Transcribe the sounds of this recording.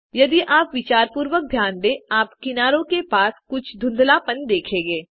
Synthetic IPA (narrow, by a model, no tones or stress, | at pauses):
jɐd̪iʔaːpʋɪt͡ʃaːɾpuːɾwək̚d̪ʱjaːnd̪eːaːpkɪnaːɾõkepaːskʊt͡ʃʰd̪ʱʊ̃nd̪ʱlapənd̪eːkʰẽːɡeː